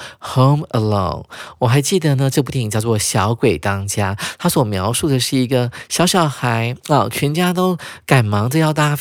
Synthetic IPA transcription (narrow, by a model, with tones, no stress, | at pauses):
xo˥˧ʊmə˨˧lo̰˥˧˩ʊnwɔ˨˩xa˧˥ɪt͡ɕi˥˩d̪ə˩nə˩ʈ͡ʂɤ˥˧p̬u˥˩t̪ʰi˧˩˨t͡ɕjɑ˥˧ʊt͡swɔ˥˩ɕjɑ˧˥ʊkwe˨˩ɪt̪ɑ˥ŋt͡ɕja˥t̪ʰa˥swɔ˨˩mjɑ˧˥ʊʂu˥˩d̪ə˩ʂɻ̩˥˩i˧˥ɡə˧ɕjɑ˧˥ʊɕjɑ˨˩ʊxa˧˥ɪə˨˩t͡ɕʰɥɛ˧˥nt͡ɕja˥t̪o˥ʊka˨˩nmɑ˧˥ŋʈ͡ʂə˧jɑ˥˧ʊt̪a˥˩